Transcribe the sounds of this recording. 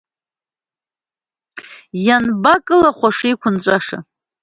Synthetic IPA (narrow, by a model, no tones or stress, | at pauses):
janbakʼɨlaχʷaʂijkʷʰʊnt͡ɕʷʼaʂa̰